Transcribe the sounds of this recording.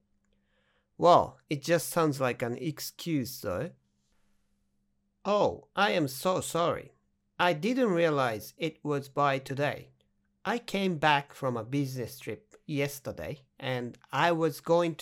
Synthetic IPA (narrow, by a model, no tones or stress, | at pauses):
wɛ̰lˠɨt̚d̥ʒ̥ʌstsãʊ̃ndzlaɪkɨ̃nɨkskʰj̥ʉz̥sɜ̰˞ | oʊʔaɪɨ̃msoʊsɑɹḭ | ʔaɪdɪdⁿn̩t̚ɹiəlaɪzɪt̚wʌzbaɪtʰɨdeɪ | ʔaɪkʰẽɪ̃mbækfɹʌ̃məbɪznɨstʰɹ̥ɪp̚jɛstə˞dḛɪ | ʔɨ̃naɪwʌzɡoʊɪ̃ŋtʰ